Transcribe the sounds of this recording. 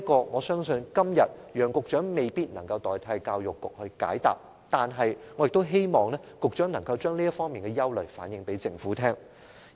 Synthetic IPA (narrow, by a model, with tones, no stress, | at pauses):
kɔː˧ŋɔː˨˧sœː˥ŋsɵ˧nkɐ˥mjɐ˨t̚jœː˨ŋkʊ˨k̚t͡ʃœː˨˥ŋme˨jpiː˥t̚nɐ˨˩ŋkɐ˧wt̪ɔː˨˩jt̪ʰɐ˨˥jkaː˧wjʊ˨kːʊ˨k̚hɵ˧ɥka̰ː˨˥jt̪a̰ː˨p̚ | t̪aː˨nɦɐ˨jŋɔ˨˧jɪ˨k̚t̪o˥wɦe˥jmɔː˨˩ŋlɛː˥kʊ˨k̚t͡ʃœː˨˥ŋnɐ˨˩ŋkɐ˧wt͡ʃœː˥ŋliː˥jɐ˥t̚fɔː˥ŋmiː˨nkɛ˧jɐ˥wlɵ˨˩ɥfaː˨˥njɪ˨˧ŋpe˨˥jt͡sɪ˧ŋfuː˨˥t̪ʰɛː˥ŋ